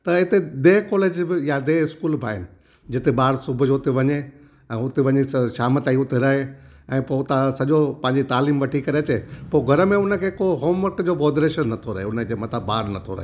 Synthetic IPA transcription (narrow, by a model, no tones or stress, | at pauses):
t̪ɐɦɪt̪ed̪eːkɔːleːd͡ʑbɪjad̪eːɪskuːlbʱaːɦɪnɪ̆ | d͡ʑɪt̪eɓaːɽsʊbʱʊd͡ʑoʊt̪eʋɐɲe | ɛ̃ːʊt̪eʋɐɲeʃaːmət̪aːiʊt̪eɾɐɦeɛ̃ːpot̪asɐʄopɐ̃ɦɪ̃ɲd͡ʑit̪aːliːmʋɐʈʰikɐɾeɐt͡ɕepoːɡʱɐɾəmẽʊnə̆kʰeːkoɦoːmʋɐɾkd͡ʑoːbɔːd̪ɾeːʃənːɐt̪ʰoɾɐ̰ɦeʊnəd͡ʑeːmɐt̪əbːaːɾnɐt̪ʰo̰ɾɐ̰ɦː